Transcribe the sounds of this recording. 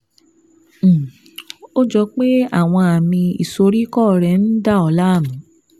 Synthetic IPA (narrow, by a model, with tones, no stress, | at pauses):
o˦d͡ʒɔ˧k͡pe˦a̰˦˨w̃ɔ̃˧a˨mĩ˧ḭ˨so˧ɾi˦kɔ˦˨ɾɛ˧˨n̩˦da˦˨ɔ˧la˦˨mũ˨˦